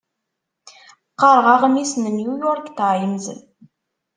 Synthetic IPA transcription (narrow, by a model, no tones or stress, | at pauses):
qːɑɾˤʁɑʁmisnəmjujoɾˤkt̪aʕjəmzə̰n